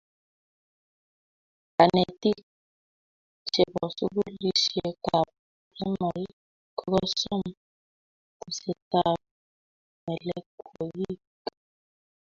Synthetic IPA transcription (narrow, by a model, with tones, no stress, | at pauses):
a˨nɛ˨ti˦k | t͡ʃɛ˨bɔ˨su˦bu˦li˨ʃɛ˨ka˨p | ɛ˦ma˨l | kɔ˦ɣɔ˦sɔ˦˨m | ku˨sɛ˨ta˦p̚ | mɛ˨lɛ˦kɔ˨ji˦ | k